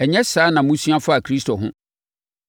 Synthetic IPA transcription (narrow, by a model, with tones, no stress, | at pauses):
ɛ˨ɲɛ̃˦saː˨˦nã˨mʊ̃˦sũ˦a˦fa˦a˨kʰɾi˦stʰo˨ɦʊ̰̃˦